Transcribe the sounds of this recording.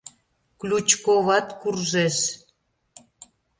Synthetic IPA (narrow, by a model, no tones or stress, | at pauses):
klʲut͡ɕkoβɑt̪kurʒeʃ